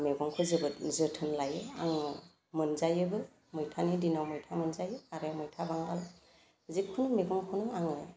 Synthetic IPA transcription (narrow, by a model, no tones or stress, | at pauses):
meɡɔŋkʰɯzɯbɯzɯtʰɯnlajɯaŋ | mɯnzajɯbɯ | mɯjtʰanidinawmɔjtʰamɯnzajɯaɾeawmɔjtʰabaŋdal | zikʰunmeɡɔŋkʰɯnɯaŋɯ